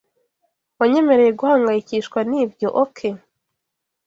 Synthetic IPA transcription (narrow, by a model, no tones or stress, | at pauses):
waɲe̞me̞ɾe̞jeɡuhaːŋɡajiciʃkwaniːvjoʔokʰe